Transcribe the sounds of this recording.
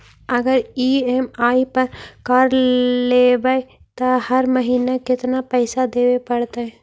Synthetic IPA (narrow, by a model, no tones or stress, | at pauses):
ɐɡəɾiːeːmaːipɐɾkaːɾleːbae | t̪ahɐɾmɐɦiːnakɪt̪napɛːsad̪eːwepɐɽt̪aɦɛː